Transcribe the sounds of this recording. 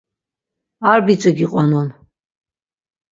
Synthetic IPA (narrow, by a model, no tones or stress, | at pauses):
arbit͡ʃʼɨɡiqʼanɔn